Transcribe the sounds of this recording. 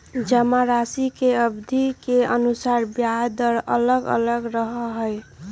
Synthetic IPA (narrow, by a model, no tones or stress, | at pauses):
d͡ʒəmaɾasikeəbd̪ʱikeənusaɾbjad̪əɾə̰ləɡə̰ləɡɾəɦəɦoj